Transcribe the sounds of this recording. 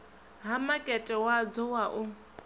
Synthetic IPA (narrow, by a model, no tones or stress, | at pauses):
ɦamakʼɛtʼɛwad͡zɔwaʔʊ